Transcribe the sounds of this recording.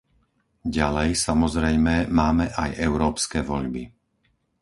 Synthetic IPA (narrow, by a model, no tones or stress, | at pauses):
ɟalɛjsamɔzɾɛjmɛmaːmɛʔajɛʊɾɔːpskɛːʋɔ̰ʎbḭ